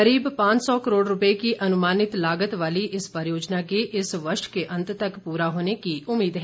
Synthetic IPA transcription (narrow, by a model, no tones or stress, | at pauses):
kɐɾiːbpãːt͡ʃsɔːkəɾoːɖɾʊpekiʔɐnʊmaːnɪt̪laːɡət̪ʋaːliʔɪspəɾjoːd͡ʒnakeʔɪsʋəɾʃkeʔɐ̃nt̪t̪ɐkpuːɾaɦoːnekiʊmːiːd̪ɦɛː